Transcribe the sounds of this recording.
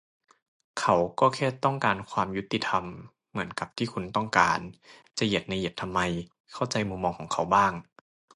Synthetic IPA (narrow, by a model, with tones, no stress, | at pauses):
kʰa˨˥wkɔː˥˩kʰɛː˥˩t̪ːɔ˥˩ŋkaː˧nkʰwaː˧mju˦˥t̪ːi˧˩t̪ʰa˧mː | ɯ˩˦ənka˨˩p̚t̪ʰiː˥˩kʰu˧nt̪ɔ˥˩ŋkaː˧nt͡ɕa˨˩je˨˩t̪̚na˧je˨˩t̪ʰa˧mːa˧j | kʰa˥˩wt͡ɕa˧jmu˧mːɔː˧ŋkʰɔː˩˦ŋkʰa˩˦wbaː˥˩ŋ